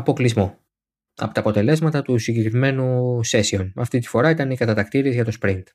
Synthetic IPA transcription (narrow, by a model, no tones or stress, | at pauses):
ɐpo̞klizmo̞ | ɐ̰pot̪ɐːpo̞t̪e̞le̞zmɐt̪ɐt̪usiɲɟe̞kɾime̞nuse̞sio̞nɐft̪it̪i̥fo̞ɾɐit̪ɐnikɐt̪ɐt̪ɐkt̪iɾieʝɐt̪o̞spɾint̪